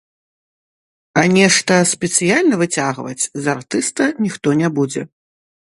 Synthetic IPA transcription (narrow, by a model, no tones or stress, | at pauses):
ɐnʲɛʂt̪ɐspʲɛt̪sɨjalʲnɐvɨt͡sʲaɣvɐ̰t͡sʲzart̪ɨst̪ɐnʲixt̪ɔnʲɛbud͡zʲɛ